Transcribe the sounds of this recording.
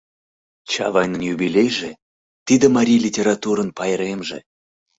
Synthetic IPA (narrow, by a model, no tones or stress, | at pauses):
t͡ɕɑ̰vɑjnənjubʲilʲejʒe | t̪id̪əmɑɾʲijlʲitʲeɾɑt̪uɾənpɑjɾemʒḛ